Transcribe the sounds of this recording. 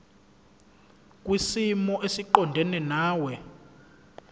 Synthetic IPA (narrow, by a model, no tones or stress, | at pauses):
k̬ʼwisimɔʔesiǃɔndʱɛnɛnaːwɛ